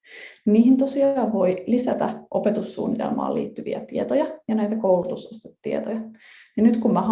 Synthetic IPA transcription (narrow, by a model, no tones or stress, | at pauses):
niːhint̪osiɑːʋʋo̞jlisæt̪æ̰ʔo̞pet̪usːṵːnːit̪elmɑ̰ːlḭːt̪ːyʋḭæ̰t̪iet̪ojɑjɑnæjt̪ækoulut̪usest̪e̥t̪ːiet̪ojɑninyt̪kummæɦɑ